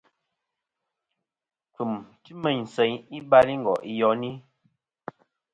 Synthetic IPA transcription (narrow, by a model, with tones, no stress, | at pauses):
ku˨mti˦mɛ˨ɲn̩˨sɛ˨ɲi˦ba˦ɾi˦ŋ̩˨ɡɔ̰˨ʔi˦jɔ˨˦ni˦